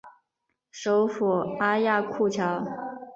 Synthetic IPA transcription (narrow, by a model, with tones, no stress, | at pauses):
ʂo˧˥ʊfu˨˩a˥ja˥˧kʰu˥˩t͡ɕʰjɑ˧˥ʊ